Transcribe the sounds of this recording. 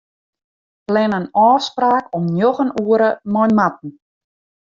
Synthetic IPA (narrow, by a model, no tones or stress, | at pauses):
plɛnənɔːfspraːkɔmnjoɣənuəɾəmɔjnmat̚n̩